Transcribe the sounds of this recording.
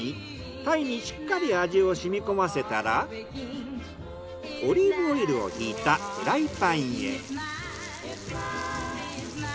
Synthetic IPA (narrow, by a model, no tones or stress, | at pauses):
i | t̪aiɲ̟iɕi̥kːaɾʲiaʑio̞ɕimʲiko̞mase̞t̪aɾa | o̞ɾʲiɾoiɾɯ̟o̞̰çiːt̪aɡ̥ɯ̟ɾait̪aĩḛ